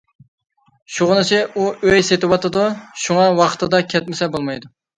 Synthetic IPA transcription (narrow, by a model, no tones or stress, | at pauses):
ʃuʁʊnɨsɪuøjset̪ɪwɑt̪ɨd̪uʃuŋɑwɑqʰt̪ɨd̪ɑkʲʰɛt̪̚mɪsɛbolˠmɑjd̪u